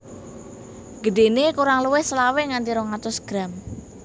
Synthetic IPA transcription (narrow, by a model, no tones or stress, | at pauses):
ɡ̥əɖe̤nekuɾaŋluwɪhslawɪŋant̪iɾɔŋat̪ʊsɡ̥ɾam